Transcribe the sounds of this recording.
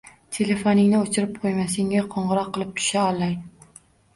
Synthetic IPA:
t̪ʰe̞le̞fonɪŋnɪot͡ʃʰɪɾɪp̚qʰojmas̬eŋaqʰɒɴʁɨɾɒqʰːɨlˠɪp̚t̪ʰʊ̥ʃaɒlˠːaŋ

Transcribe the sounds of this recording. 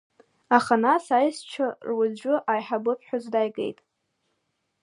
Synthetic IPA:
aχanasajst͡ʃʷʰarwazd͡ʒʷᶣʊʔajħabɨpʰħʷᶣazdajɡʼḛjtʼ

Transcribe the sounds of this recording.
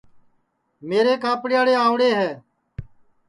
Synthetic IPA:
meːɾeːkaːpɽɪjaːɽeːaːʋɽeːɦɛː

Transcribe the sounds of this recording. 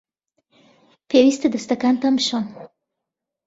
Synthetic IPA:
pewist̪ed̪əst̪akant̪amʃon

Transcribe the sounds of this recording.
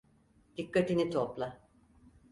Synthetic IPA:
d̪̥ikːat̪init̪ʰoplˠa

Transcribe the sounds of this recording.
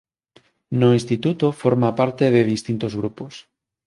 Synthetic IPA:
noĩnst̪it̪ut̪ofoɾmapaɾt̪eðeðist̪int̪ozɣɾupos

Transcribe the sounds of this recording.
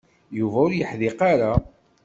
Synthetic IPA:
juvæʊɾjəħðɪqaɾa

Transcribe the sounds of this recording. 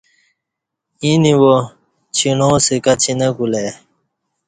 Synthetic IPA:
iniwo | t͡ɕʰiɳoːsekɐt͡ɕʰinɐɡule

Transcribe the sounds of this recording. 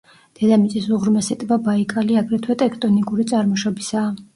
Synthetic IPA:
d̪̥ɛd̪amit̪sʼisuʁɾmɛsɛt̪ʼvabaikʼaliaɡɾɛt̪ʰwɛt̪ʼɛkʰt̪ʼɔnikʼuɾit̪sʼaɾmɔʃɔbisaː

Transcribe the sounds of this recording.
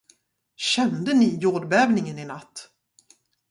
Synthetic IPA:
ɕɛnd̪ənɪjoːɖbɛːvnɪŋənɪnat̪ː

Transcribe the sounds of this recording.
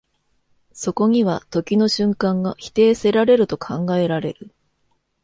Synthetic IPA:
so̞ko̞ɲ̟iβat̪o̞kʲino̞ɕɨ̃ŋkãŋɡaçi̥t̪e̞ːse̞ɾaɾe̞ɾɯ̟t̪o̞kʰãŋɡae̞ɾaɾe̞̰ɾɯ̟

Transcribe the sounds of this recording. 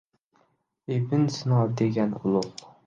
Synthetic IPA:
ebɪnsɪnɒd̪eɡʲanʊlˠʊq

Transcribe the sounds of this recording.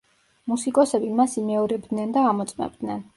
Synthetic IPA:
musikʼɔsɛbimasimɛɔɾɛbd̪nɛnd̪aːmɔt̪sʼmɛ̰b̚d̪nɛn

